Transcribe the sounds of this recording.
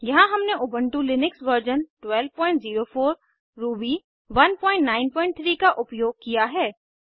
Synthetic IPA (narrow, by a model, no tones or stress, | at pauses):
jɐɦãɦɐmneʔʊbə̃ɳʈulɪnɪksʋəɾd͡ʒənʈwɛlʋpɔ̃ːɪ̃ɳʈziːɾofʰoːɾː | uːbi | ʋɐnpɔ̃ːɪ̃ɳʈnaːɪnpɔ̃ːɪ̃ɳʈ̚t̪ʰɾiːkaʔʊpjoːɡ̚kijaɦɛː